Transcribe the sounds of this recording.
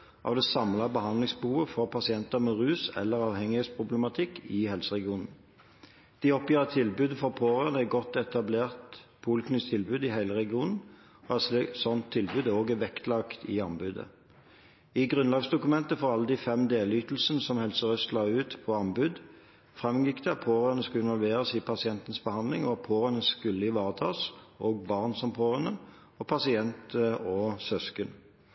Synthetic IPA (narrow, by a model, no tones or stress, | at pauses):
ʔɑ̰ːʋd̪ɛsɑmlɑbəhɑnd̪lɪŋsbəhuːʋəfɔʁpʰɑsɪɛnt̪əʁmɛʁʉːsɛ̰lːəʁɑːʋhɛŋɪheːt̪spʰʁʊbləmɑt̪ʰɪkːɪhɛlsəʁɛɡɪuːnn̩ | d̪̥ɪɔpjiːʁət̪ʰɪlbʉːd̪əfɔʁpʰoːʁənæɡɔt̪ːɛt̪ɑbleːʁt̪pʰʊlkʰnɪst̪ʰɪlbʉːd̪ɪhæɪləʁɛɡɪuːnn̩ | æssɔnt̪ʰːɪlbʉːd̪oːɡæʋɛkt̪lɑkt̪ʰɪɑmbʉːd̪ə̰ | ɪɡʁʉnlɑːɡsd̪ʊkʉmɛnt̪əfɔʁɑlːəd̪ɪfɛmd̪eːlyːt̪l̩sənəsɔmhɛlsəʁœst̪lɑːʉːt̪pʰɔɑmbʉːd̪ | fʁɛmjɪkd̪ɛɑt̪pʰoːʁənəskʉlɪnʋɔlʋeːʁəsipʰɑsɪɛnt̪nsbəhɑnd̪lɪŋɔɑpʰoːʁənəskʉlːəɪʋɑːʁət̪ʰɑːsoːɡ̚bɑʁnsɔmpʰoːʁənə | ɔpʰɑsɪɛnt̪əɔsœskən